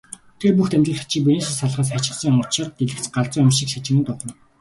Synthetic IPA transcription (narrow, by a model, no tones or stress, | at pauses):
t̪eːrpuxt̪æmʲt̪rə̆ɮḁt͡ɕĭːk̚pines̆saɮʁaːs̬at͡ɕɪ̆sə̆ŋʊrt͡ɕʰə̆rt̪eɮɘ̆kt͡sɢaɮt͡sʊːamʃĭːkʃat͡ɕɪ̆ŋə̆nt̪ʊχə̆n